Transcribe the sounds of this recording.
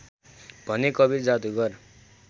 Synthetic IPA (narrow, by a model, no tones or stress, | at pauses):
b̥ʱʌnekʌbird͡zad̪uɡʌr